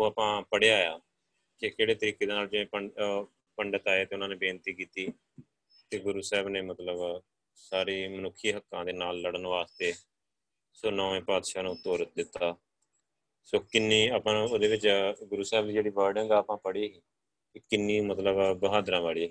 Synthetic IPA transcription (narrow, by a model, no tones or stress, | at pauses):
oːaːpãːpəɽejaːjaː | kekeːɽeːt̪əɾiːkeːd̪eːnaːld͡ʒɪẽːə | pəɳɖət̪aːeaːt̪eːʊnãːneːbeːnt̪iːkiːt̪iː | t̪eːɡʊɾuːsɛːbneːmət̪ləb | saːɾiːmənʊkʰːiːɦəkːãːd̪eːnaːlːəɽənʋaːst̪eː | soːnɔːẽːpaːd̪ʃaːnũːt̪ːoːɾət̪̚d̪ɪt̪ːaː | soːkɪnːiːapãːoːd̪eːʋɪt͡ʃɡʊɾuːsɛːbd̪iːd͡ʒeːɽiːbɔːɾɖɪŋɡaːpãːpəɽiːɦiː | ɪkɪnːiːmət̪ləbbəɦaːd̪ɾãːʋaːɭiː